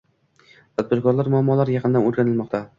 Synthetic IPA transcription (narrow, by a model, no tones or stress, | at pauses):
t̪ʰad̪̚bɪɾkʰɒɾlaɾmʊamːɒlaɾjɑqʰɨnd̪anoɾˠɡʲanɪlmɒqt̪ʰa